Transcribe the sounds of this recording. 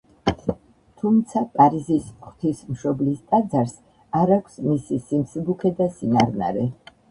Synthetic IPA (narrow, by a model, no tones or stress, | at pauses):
t̪ʰumt̪sʰapʼaɾizisχt̪ʰismʃɔblist̪ʼad̪zaɾs | aɾakʷʰsmisisimsibukʰɛd̪asinaɾna̰ɾɛ